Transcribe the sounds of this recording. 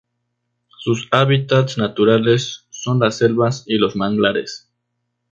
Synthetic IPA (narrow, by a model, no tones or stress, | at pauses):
susaβit̪at̪snat̪uɾale̞sːo̞nlasːe̞lβasilo̞zmaŋɡlaɾe̞̰s